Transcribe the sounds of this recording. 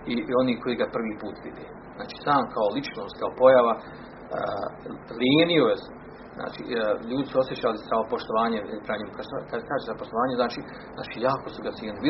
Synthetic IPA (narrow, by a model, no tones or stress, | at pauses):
io̞niːkʰo̞jiːɡapr̩ʋiːpuːt̪ʋid̪eː | zna̰ːt͡ʃi̥ːsaːmkʰaolit͡ʃnoːst̪kaopo̞jaʋa | lieniojes | zna̰ːt͡ʃḭʎuːd̪isuo̞sje̞t͡ɕaːliaopoʃt̪oʋaːɲepɾaɲimukaskad̪skaːʒezapoʃt̪oʋaːɲeznaːt͡ʃiː | zna̰ːt͡ʃiːjaːkosuɡat̪jeːnilibi